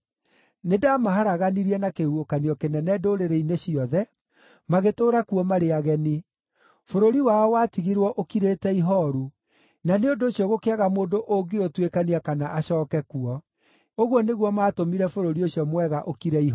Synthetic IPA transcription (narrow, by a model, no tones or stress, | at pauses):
nedaːmaɦaɾaɣaniɾiɛnakehuokaniɔkenɛnɛdoɾeɾeineɕiɔðɛ | maɣetoːɾakuɔmaɾeaɣɛni | foɾoɾiwaɔwaːtiɣiɾwɔʔokiɾeːtɛiɦɔɾu | naneondoːɕjɔɣokeaɣamoːndoʔoɡeotwekaniakanaʔaɕɔːkɛkuɔ | oɣwɔneɣwɔmaːtomiɾɛfoɾoɾioɕjɔmwɛɣaʔokiɾɛiɦ